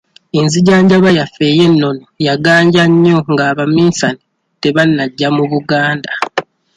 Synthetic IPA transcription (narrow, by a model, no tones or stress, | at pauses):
inziɟaːɲɟaβajafe̞ːje̞nːo̞nojaɡaːɲɟaɲːo̞ŋɡaːβamiːnsani | te̞βanːaɟːamuβuɡaːnda